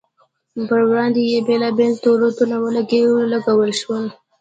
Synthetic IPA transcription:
bəɾwɾɑnd̪ejebelɑbelt̪oɾat̪unawəlaɡewlaɡawəlʃwəl

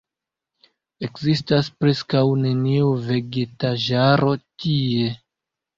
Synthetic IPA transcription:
e̞kzistaspɾe̞skawne̞niuve̞ɡe̞taʒaɾo̞tie̞

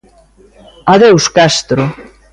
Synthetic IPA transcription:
aðewskast̪ɾʊ

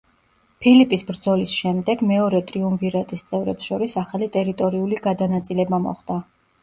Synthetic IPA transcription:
pʰilipʼisbɾd̪zɔlisʃɛmd̪ɛɡmɛɔɾɛt̪ʼɾiumviɾat̪ʼist̪sʼɛvɾɛpsʃɔɾisaχalit̪ʼɛɾit̪ʼɔɾiuliɡad̪anat̪sʼilɛbamɔ̰χd̪a

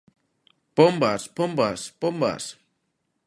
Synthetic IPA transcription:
pɔmbaspɔmbaspɔmba̰s

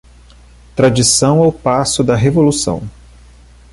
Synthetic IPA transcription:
t̪ɾad͡ʒisɐ̃w̃awpasʊd̪ɐɦevolusɐ̰̃w̃

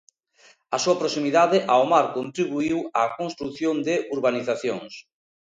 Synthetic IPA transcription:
asuɐpɾosimiðaðɪʔaomaɾkont̪ɾiβ̞uiwakonst̪ɾuθjond̪ɪʔuɾβaniθaθjoŋs

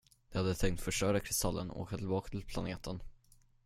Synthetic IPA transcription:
d̪̥ɛhad̪ːət̪ʰɛŋkt̪fœʂʈœːɾakʰɾɪst̪ʰalːənɔ̰o̰ːkat̪ʰɪlbɑːkat̪ʰɪlpʰlaneːt̪ʰən

